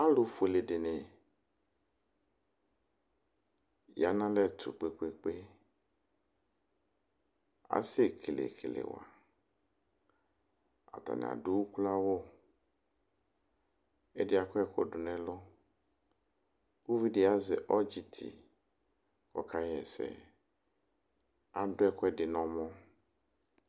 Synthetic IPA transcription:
a˦lʊ˨fe˨le˨dɪ˨nɪ˨ | ja˨˦nã˦lɛ˦tʰʊ̰˨k͡pe˨k͡pe˨k͡pe˦ | a̰˨se˦kʰe˨lḛ˨kʰḛ˨lḛ˨wa̰˨ | a̰˨t̪a̰˨nɪ̰˨a̰˨du˦wu˦ku˦la˦wo˦ | e˦dɪ˦a˨kɔ˦ɛ˦ko˦ɖʊ˨nɛ̃˨lʊ˦ | ku˦vi˦di˨˦a˦zɪ˨ʔɔ˦d͡ʒi˨t̪ʰḭ˨ | kɔ˦kʰa˦jɛ˨sɛ̰˨ | a˨dʊ˦ɛ˦kɔ˦ɛ˦dɪ˨nɔ̃˨mɔ̃˦

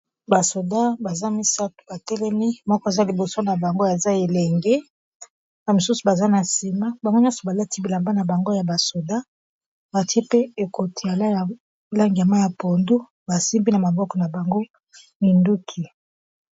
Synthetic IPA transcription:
ba˨so˨da˦ba˨za˦mi˦sa˦tu̥˨ba˨tɛ˦lɛ˦ni˦mɔ˦kɔ˨a˨za˦li˨bo˨so˦na˨ba˨ŋɡo˦a˨za˦e˨lɛ˨ŋɡe˦ | ba˨mo˨su˦su˨ba˨za˦na˨si˨ma˦ba˨ŋɡo˦ɲjɔ̃˦sɔ˨ba˨la˦tʰi˦bi˨la˨mba˦na˨ba˨ŋɡo˦ja˨ba˨so˨da˦ | ba˨ti˦e˦pe˦e˨ko˨tʰi˨ja˨la˦ja˨ | la˦ŋɡi˨a˨ma˦ja˨po˨ndu˦ | ba˨si˦mbi˦na˨ma˨bɔ˦kɔ˨na˨ba˨ŋɡo˦ | mi˨ndu˦kʰi˨

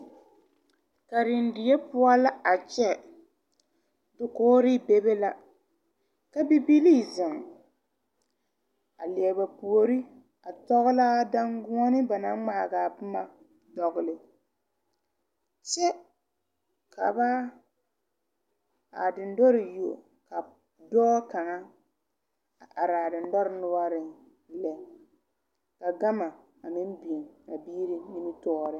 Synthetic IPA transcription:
ka˨ɾɪ˨n˦dɪ˨jɛ˦pʊ˦a˦la˦a˨t͡ʃɛ˦ | dʊ˨koː˦ɾi˦be˦be˦la˦ | ka˦bi˦bi˦li˦˨zɪ˨ŋ˨ | a̰˨li˨ɛ˨ba˨pu˨o˨ɾi˦ | a˨tɔ˦ɣʊ˦la˦da˦ŋɡʊ˦ɔ˦nɪ˦ba˨na˦ŋ͡ma˨ɡa˨pʊ˦ma˦ | dɔ˨ɣʊ˨lɪ˨ | t͡ʃɛ˦ | ka˨ba˦ | a̰˨dɪ˨ndɔ˦ɾɪ˨jo˨o˨ | ka˨ | dɔː˦ka˨ŋa˦ | a˨ʔa˨ɾa˨dɪ˨ndɔ˦ɾɪ˨nʊ˦a˦ɾɪ˨˦ | lɛ˨ | ka˨ɡa˦ma˨ | a˨mɪ˦n˦bi˨e˨na˨biː˦ɾi˦mi˦nɪ˦tɔ˦˨ɾɪ˦

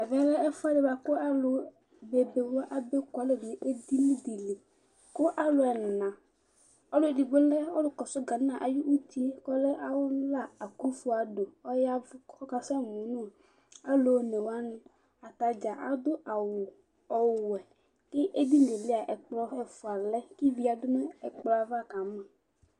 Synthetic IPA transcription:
a˨vɛ˦lɛ˦ɛ˦fʊ˦a˦de˨ba˨kʊ˦a˦lʊ˨ | be˨be˨wo˦ʔa˨be˦kʷa˨˦le˦˨n˨i˨ʔe˦d̪i˦mĩ˦d̪i˨le˨ | kʊ˦ʔa˦lʊ˦ɛ˨n˨nã˨ | ɔ˦lʊ˦e˨di˨ɡ͡be˦le˦ɔ˦lʊ˦kɔ˨sʊ˦ɡa˨n˦ã˨ʔa˨ju˦u˦t̪i˦kɔ˦le˦ʔa˨wʊ˦la˦˨a˨ku˦fu˦a˨do˨ɔ˦ja˦vɔ˦ka˦sɛ˦mũ˨nũ˦˨ | a˦lo˨ne˨wa˦nʊ̃˦ | a˨t̪a˨d͡ʒa˨ʔa˦d̪ʊ˦ʔa˨wʊ˨ | ɔ˨wɛ˨ | kɪ˦ʔe˦d̪i˦ŋ˨ɡe˨le˦a˨ʔɛ˨k͡plɔ˦ɛ˨fʊ˨a˨lɛ˦ki˦vi˦a˨dʊ˦me˦ɛ˨k͡plɔ˨˦a˨va˦˨ka˨mɛ˨

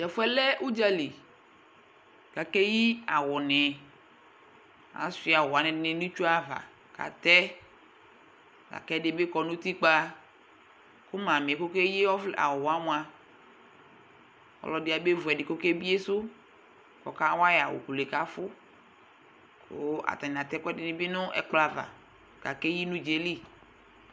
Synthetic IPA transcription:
d͡ʒɛ˨fʊ˦ɛ˦lɛ˦ʔu˦d͡ʒa˦li˨ | ka˨ke˦ji˦a˨wɔ˨nɛ˨ | a̰˨si˦a˨wɔ˨a˨nɛ̃˨˦ne˨nũ˦t͡ʃu˦a˦va̰˨ | ka̰˨t̪ɛ˦ | la̰˨kɛ˦dɪ˦be˦kɔ˨nũ˦t̪i˦k͡pa˦ | kʊ˦mã˨m˨ko˦ke˦ji˦ɔ˦fla̰˨ɔ˨a˦m̃˨a˨ | ɔ̰˨lɔ˨dɪ˨˦a˨be˦vu˨ɛ˨dɪ˨ko˦ke˦bi˦e˦sʊ˦ | kɔ̰˨ka˦wa˦ja˨wo̰˨ku˨le˨ka˨˦fʊ˦ | kʰo˦a̰˨t̪a˨ɲ˨a˨t̪ɛ˦kɛ˦dɪ˨nɪ̃˨˦be˦nʊ̃˦ɛ̰˨k͡pla˨va̰˨ | ɡ̥a˨ke˦ji˦nũ˦d͡ʒe˦li˦

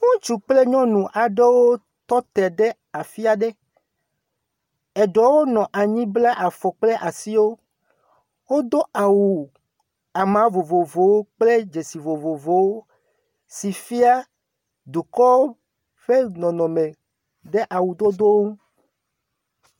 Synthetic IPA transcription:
ŋũ˦t͡ʃu˨k͡ple˦ɲɔ̃˦nũ˨ʔa˨ɖe˦wo˦ | t̪ɔ˦t̪ɛ˨ɖe˦ | a˨fi˦a˨ɖe˦ | e˨ɖɔ˨wo˦nɔ̃˨ʔa˨ɲĩ˦bla˦ʔa˨fɔ˨k͡ple˦ʔa˨si˦wo˦ | wo˦d̪o˦a˨wu˨ | a˨mã˨˦vo˨vo˨vo˨wo˦k͡ple˦d͡ʒe˨si˨vo˨vo˨vo˨wo˦ | si˨fi˦a˦ | d̪u˨kɔ˦wo˦ | ɸe˦nɔ̃˨nɔ̃˨mẽ˨ | ɖe˦ʔa˨wu˨d̪o˦d̪o˦wo˦ũ˦

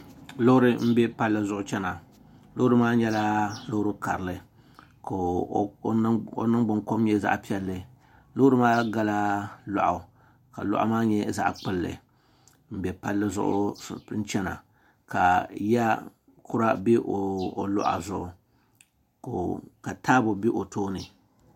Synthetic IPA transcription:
lo˦hʊ˦ɾɨ˦m̩˦bɛ˦pa˦lːɨ˦zʊ˦˨ʔʊ˦t͡ʃɛ˦na˨ | lo˦hʊ˦ɾɨ˦maː˦ɲɛ˦la˦lo˦hʊ˦ɾɨ˦ka̰˨ɾɨ˨lɨ˨ | k | o̰˨nɨ˦ŋɡ͡bʊ˨ŋko˦mɲɛ˦za̰˦ʔpi˦ɛ˦lːɨ˨ | lʊ˦hʊ˦ɾɨ˦maː˦ɡa˦la˦lɔ̰˨ʔa˨ | ka̰˨lʊ̰˦ʔa̰˦maː˦ɲɛ˦za̰˦ʔk͡pɨ˦lːɨ̰˨ | m̩˦bɛ˨pa˦lːɨ˦zʊ̰˦ʔʊ̰˦n̩˦t͡ʃɛ˦na̰˨ | ka˨ja˦ | kʰʊ˦ɾa˦bi˦ʔo˨o˨lʊ̰˦ʔa̰˨zʊ˦ʔʊ˨ | ko˨ka˨taː˦bʊ˨bi˦ʔo˨toː˦nɨ˨

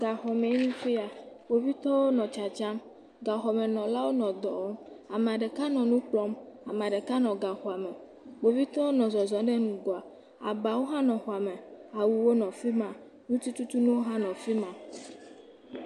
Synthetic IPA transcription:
ɡa˨xɔ˨me˨˦nũ˦fi˦a˨ | wo˨vi˦t̪ɔ˦wo˦nɔ̃˨t͡ʃa˨t͡ʃa˦m | ɡa˨xɔ˨me˨nɔ̃˨la˦wo˦nɔ̃˨d̪ɔ˨ɔ˦ma˨m˨a˨ɖe˨ka˦nɔ̃˨nũ˦k͡plɔ˦ma˨m˨a˨ɖe˨ka˦nɔ̃˨ɡa˨xɔ˨a˨mɛ˨ | wo˨vi˦t̪ɔ˦wo˦nɔ̃˨zɔ˨zɔ̃˨ɖe˦nũ˨ɡɔ˨a˨ | a̰˨ba˨wo˦ɦã˦nɔ̃˨xɔ˨a˨mẽ˨a˨wu˨wo˦nɔ̃˨fi˦mã˨ | nũ˦t̪i˦t̪u˦t̪u˦nũ˦wo˦ɦã˦nɔ̃˨fi˦mã˨

